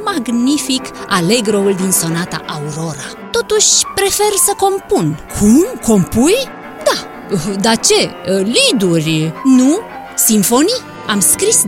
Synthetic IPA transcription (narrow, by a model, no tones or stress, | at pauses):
maɡnifikaleɡɾould̪insonat̪a̰ʔawɾoɾa | t̪ot̪uʃpɾefɛɾsəkompunkʰumkompuj | d̪a | d̪at͡ʃelid̪uɾnu | siɱfoni | amskɾis